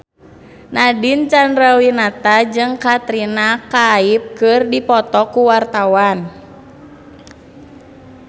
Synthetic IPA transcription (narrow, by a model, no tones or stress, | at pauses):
nadint͡ʃanrawinat̪ad͡ʒɨŋkat̪ɾinakaip̚kɨrdipɔt̪ɔkuwart̪awan